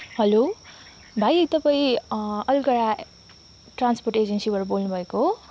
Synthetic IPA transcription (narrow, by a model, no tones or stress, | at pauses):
ɦʌlo | bʱajt̪ʌpaĩʌlɡʌɽa | ʈransporʈed͡zʌnsibʌɾbolnubʱʌeko